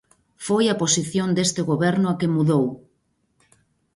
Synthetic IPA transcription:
fojaposiθjond̪est̪eɣoβɛɾnʊakemuðow

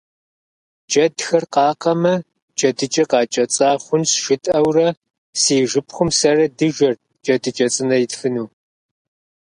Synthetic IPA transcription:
d͡ʒɐdxɐrqɑːqɐmɐ | d͡ʒʼɐdɨt͡ʃʼɐqɑːt͡ʃʼɐt͡sʼaːχʷʊnsʃɪtʼɐwrɐ | siːʒɨpʰχʷʊmsɐrɐdɨʒɐr | d͡ʒʼɐdɨt͡ʃʼɐt͡sʼɨnɐjɪtfɨnuː

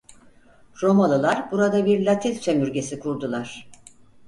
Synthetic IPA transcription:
ɾo̞malˠɯlˠaɾbuɾad̪abiɾlʲat̪ʰilʲsemyɾɟe̞sikʰuɾd̪ulˠaɾ̥

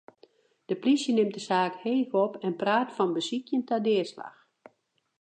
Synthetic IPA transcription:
d̥əplisjənɪm̚dəsaːkheːɣɔpʰɛnpraːtfɔnbəsikjəntadɪəsla̰x

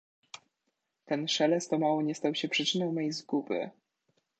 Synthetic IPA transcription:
t̪ɛnʂɛlɛst̪ɔmawɔɲɛst̪awɕɛpʂɘt͡ʂɘnɔw̃mɛjzɡubɘ̰

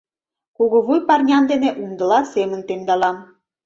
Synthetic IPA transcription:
kuɣoβujpɑrnʲɑnd̪eneʔund̪ə̆lɑsemə̆nt̪emd̪ɑlɑm

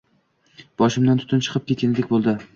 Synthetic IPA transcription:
b̥ɒʃɪmd̪ant̪ʰʊt̪ɪnt͡ʃʰɨ̥qʰɨp̚kʲet̪kʲanɪd̪ekʲbolˠd̪ɪ

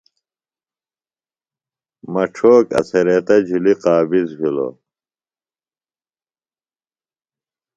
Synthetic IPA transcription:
mɐʈ͡ʂʰoːkɐ̰seɾet̪ɐd͡ʑuliqaːbizbilo̰

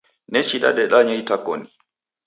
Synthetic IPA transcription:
nɛt͡ʃiɗa̰ɗɛɗaɲaitakɔni

